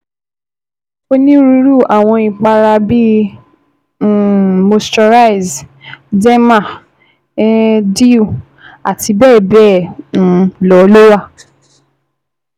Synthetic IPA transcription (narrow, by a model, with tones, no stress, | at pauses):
o˦nĩ˦ɾu˧˦ɾu˦˨ʔa˨w̃ɔ̃˧i˨k͡pa˧ɾa˧bi˦˨ | mo˧stɔ˧ɾa˦˨i˨zdɛ˦mã˦˨ | ɛ˦di˦u˦˨ | a˨ti˧bɛː˦˨bɛ˦˨ñ̩˨˦lɔ˨˦lo˦wa˦˨